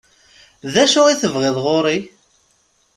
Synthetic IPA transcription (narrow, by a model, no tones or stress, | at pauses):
ðæʃʊʁiθəvʁɪðˤʁoɾi